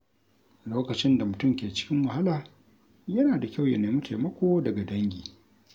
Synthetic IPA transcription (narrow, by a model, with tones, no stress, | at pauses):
loː˦kɐ˨t͡ʃɪ˦nda˨mʊ˨tʊ˦mkʲeː˨t͡ʃɪ̥˦kʲɪ˦ŋwɐ˨ɦa˦laː˨ | jɐ˦naː˨da˨kʲa˦˨wja˨neː˨mʊ˦tʰe˨mɐ˦kʷoː˦dɐ˨ɡa˨dɐ˦ŋɡʲiː˨